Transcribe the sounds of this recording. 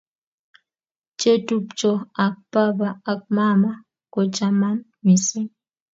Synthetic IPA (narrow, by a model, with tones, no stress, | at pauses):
t͡ʃe˦tu˦pt͡ʃɔ˦a˨k̚pa˦baː˨k̚ma˦ma˦ | ko˨t͡ʃa˦ma˦m | mi˨si˦